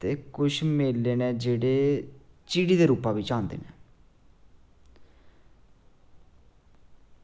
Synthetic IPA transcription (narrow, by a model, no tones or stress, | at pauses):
t̪eːkʊʃmeːlːeːnɛːd͡ʒeːɽeːt͡ʃiːɽiːd̪eːɾuːpãːbiːt͡ʃãːnd̪ḛːnɛ̰ː